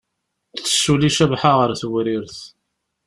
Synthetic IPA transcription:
θə̥ʃuliʃəvħaʁəɾθwɾiɾθ

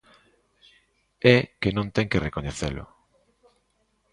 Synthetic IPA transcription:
ɛkenõnt̪ɛŋkerekoɲeθḛlʊ̰

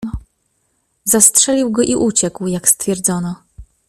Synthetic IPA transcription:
zastʂɛlʲiwɡɔʔiʔut͡ɕɛkwjakst̪fʲjɛɾd̪zɔnɔ

